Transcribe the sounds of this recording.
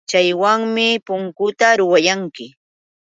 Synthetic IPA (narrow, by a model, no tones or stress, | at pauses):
t͡ʃajwaŋmɪpʊŋkʊt̪aɾʊwajaŋkɪ